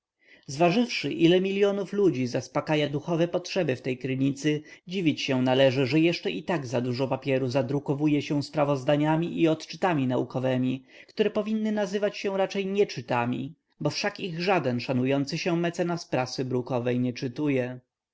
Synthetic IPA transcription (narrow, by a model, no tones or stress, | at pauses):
zvaʐɘfʂɘʔilɛmʲilʲjɔnuflud͡ʑizaspakajad̪uxɔvɛpɔtʂɛbɘft̪ɛjkɾɘɲit̪sɘd͡ʑivʲit͡ɕɕɛ̃nalɛʐɘʐɛjɛʂt͡ʂɛʔit̪aɡzad̪uʐɔpapʲjɛɾuzad̪ɾukɔvujɛɕɛ̃w̃spɾavɔzd̪aɲamʲiʔiɔt̪t͡ʂɘ̥t̪amʲinaukɔvɛmʲi | kt̪uɾɛpɔvʲinːɘnazɘvat͡ɕɕɛ̃ɾat͡ʂɛjɲɛt͡ʂɘt̪amʲḭ | bɔfʂakiɣʐad̪ɛnʂanujɔnt̪sɘɕɛmɛt̪sɛnaspɾasɘbɾukɔvɛjɲɛt͡ʂɘt̪ujɛ